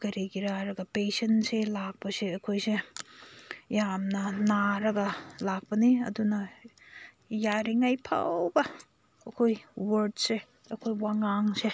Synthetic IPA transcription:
kɐɾiɡiɾaɾɐɡɐpesɐnselak̚pɐseɐkʰojse | jamnɐnaɾɐɡɐlak̚pɐniɐ̰dunɐ | jaɾiŋajpʰa̰wbɐː | kʰojwɐɾdse | ɐkʰojwaŋaŋse

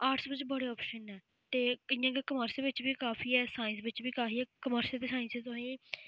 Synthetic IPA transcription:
aːɾʈsʋɪt͡ʃbəɽeːɔːpʃənɛː | t̪eːɪjãːkeːkəməɾseʋɪt͡ʃbiːkaːfʰiːɛːsaːɪ̃nsʋɪt͡ʃbiːkaːfʰiːɛːkəməɾsəld̪ɪsaːɪ̃nset̪ʊɦĩː

